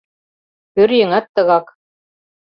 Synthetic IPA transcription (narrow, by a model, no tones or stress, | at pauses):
kɵɾjɘ̆ŋæt̪ːɤ̆ɣɑk